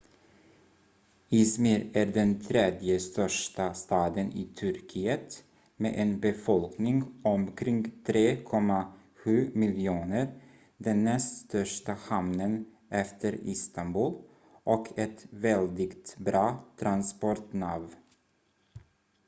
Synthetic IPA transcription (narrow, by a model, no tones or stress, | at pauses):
ɪsmɪɾæːɾɖɛnt̪ʰɾeːd̪jəst̪œʂʈast̪ɑːd̪ənʔɪːt̪ʰɵɾkʰiːət̪ | mḛːʔɛnbɛfɔlknɪŋɔmkʰɾɪŋɡt̪ʰɾeːkʰɔmːa | ɧʉ̟ːmɪljuːnəɾ | d̪ɛnːɛst̪st̪œʂʈahamnən | ʔɛft̪ʰəɾɪ̰st̪anbʉːl | ʔɔkʰɛt̪vɛld̪ɪɡt̪bɾɑːt̪ʰɾanspɔɾʈnɑv